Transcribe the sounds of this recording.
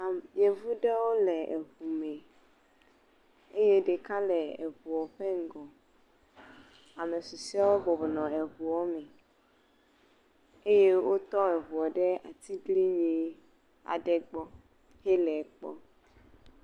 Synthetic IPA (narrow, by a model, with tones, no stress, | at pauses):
a˨ɲẽ˨vu˦ɖɛ˦wo˦lɛ˨ʔe˨vu˨mɛ̃˨ | e˦je˦ɖe˨ka˦lɛ˨e˨vu˨ɔ˨ɸɛ˦ŋ̩˦ɡɔ˨ | a˨me˨su˨si˦a˦wo˦bɔ˨bɔ˨nɔ̃˨e˨βu˨ɔ˦mɛ̃˨ | e˦je˦wo˦t̪ɔ˦e˨vu˨ɔ˨ɖɛ˦a̰˨t̪i˦ɡli˦ɲĩ˨ | a̰˨ɖɛ˨ɡ͡bɔ˦ | he˦lɛ˨k͡pɔ̰˦